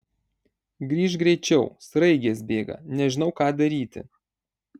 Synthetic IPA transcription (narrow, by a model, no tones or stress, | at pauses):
ɡɾʲiːʃ̬ɡɾʲɛɪt͡ʃʲɛʊsɾɐɪɡʲeːsbʲeːɡɐ̰nʲɛʒʲɪnɒʊkɑːd̪ɐɾʲiːt̪ʲɪ̰